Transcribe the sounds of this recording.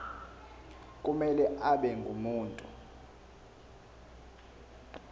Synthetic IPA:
kʼumɛlɛʔaɓɛŋɡʱumuːntʼu

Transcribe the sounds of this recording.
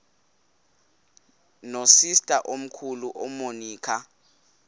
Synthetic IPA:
nosistʼaʔom̩kʰuluʔɔmoniːkʰa

